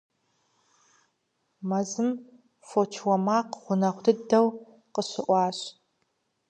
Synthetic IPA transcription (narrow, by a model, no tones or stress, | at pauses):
mɐzɨm | fot͡ʃʰwɐmaːqʁʷʊnɐχʷdɨdɐw | qəɕɪʔʷɑːɕ